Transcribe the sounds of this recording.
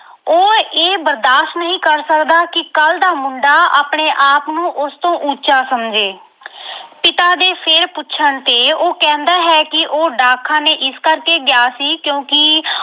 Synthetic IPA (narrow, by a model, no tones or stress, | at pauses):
oːeːbəɾd̪aːʃʈnəɦĩːkəɾsəkd̪aːkɪkəld̪aːmʊɳɖaːʔaːpɳeːʔaːpnũːʔʊst̪õːʔut͡ʃaːsəmd͡ʒeː | pɪt̪aːd̪eːpʰɪɾpʊtːʃʰəɳt̪eːoːkɛ̃ːnd̪aːɦɛːkɪʔoːɖaːkʰːãːneːʔɪskəɾkeːɡjaːsiːkjõːkɪ